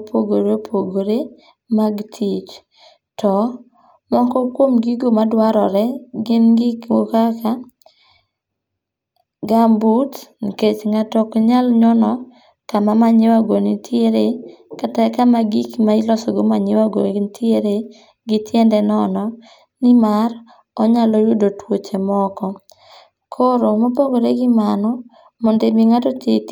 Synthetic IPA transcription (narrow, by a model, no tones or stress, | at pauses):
pʰoɡoɾopʰoɡoɾe | maɡtʰit͡ʃ | tɔ | mɔŋkɔkwomɡiɡomadwaɾɔɾɛɡɪnɡɪkmokaka | ɡambutnket͡ʃŋatɔkɲalɲɔnɔ | kamamaɲɪwaɡonitʰjeɾekatakamaɡikmailɔsɔɡomaɲɪwaɡontjeɾe | ɡɪtʰjɛndɛnɔnɔ | nɪmar | ɔɲalɔjʊdotwot͡ʃemɔkɔ | kʰoɾomopoɡoɾeɡɪmanɔ | mɔndemiŋatɔtet